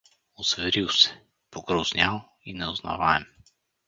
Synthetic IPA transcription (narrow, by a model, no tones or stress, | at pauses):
osvɛɾilˠsɛ̥ | poɡɾɔznʲalˠ | inɛozna̰vaɛm